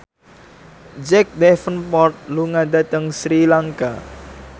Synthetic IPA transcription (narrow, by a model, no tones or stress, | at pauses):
d͡ʒɛk̚dɛfənpɔrt̪̚luŋad̪at̪əŋsɾilaŋka